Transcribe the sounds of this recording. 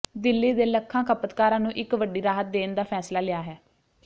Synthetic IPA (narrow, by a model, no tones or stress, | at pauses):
d̪ɪlːiːd̪eːləkʰːãːkʰəpət̪kaːɾãːnũːʔɪkʋəɖiːɾaːɦət̪̚d̪eːnd̪aːpʰɛːslaːlɪjaːɦɛː